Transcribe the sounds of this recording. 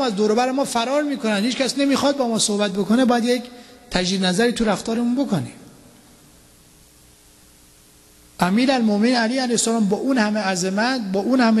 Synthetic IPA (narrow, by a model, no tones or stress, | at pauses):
æzd̪oːɾobæɾemɒːfæɾɒːɾmiːkʰonænhiːt͡ʃkʰʲæsnemiːxɒːd̪̚bɒːmɒːsohbæt̪̚bokonebɒːjæd̪jekt̪ʰæʒiːd̪næzæɾiːt̪ʰuɾæft̪ɒːɾemunbokʰonim | ʔæmiːɾælmomeniːnæliːhælæhsælɒːmbɒːʔuːnhæmeæzemæt̪bɒːʔuːnhæme